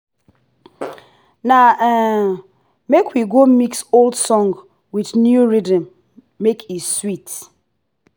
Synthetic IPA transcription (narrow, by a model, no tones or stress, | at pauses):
naɛ | mekwiɡomiksolˠdsɔ̃ŋɡ | widnjuɹidə̃mː | ekʰiswit